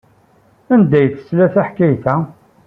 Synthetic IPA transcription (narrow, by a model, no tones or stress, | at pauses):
ænd̪æjθə̥slæθæħkːæjθæ